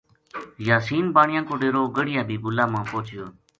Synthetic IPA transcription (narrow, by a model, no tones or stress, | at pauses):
jaːsiːnbaːɳɪjãːkoːɖeːɾoːɡəɽɪjãːbʱiːbʊlaːmãːpoːt͡ʃɪjoː